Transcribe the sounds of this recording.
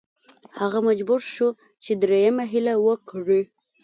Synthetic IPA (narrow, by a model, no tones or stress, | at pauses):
haɣamad͡ʒbuɾʃo | t͡ʃed̪ɾejamaɦɪlawəkɽi